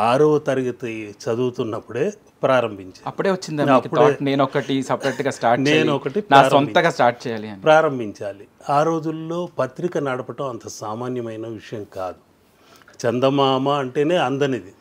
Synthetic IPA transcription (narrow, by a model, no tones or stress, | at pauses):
aːɾuʋɐt̪ɐɾiɡɐt̪ɐt͡ʃɐd̪uːt̪unːɐpːuɽe̞ː | pɾaːɾɐmbʱiɲt͡ʃaːɐpːuɽe̞ːʋɐt͡ʃːind̪aːaɐkitpːueːne̞ːnɔkɐʈisɐpɾɐʈɡaːsʈaːɾʈnt͡ʃeːnɔkɐʈipnaːsɾɐɔnt̪ɐɡaːsʈaːɾʈ̚t͡ʃɛːjaːliɐnːipɾaːɾɐmbʱiɲt͡ʃaːli | aːɾo̞ːd͡ʒulːoːpɐt̪ɾikɐnɐɽɐpɐʈɐmɐnt̪ɐsaːmaːnjɐmɐjnɐʋiʂɐjɐmkaːd̪u | t͡ʃɛnd̪ɐmaːmɐɐɳʈe̞ːne̞ːɐnd̪ɐnid̪i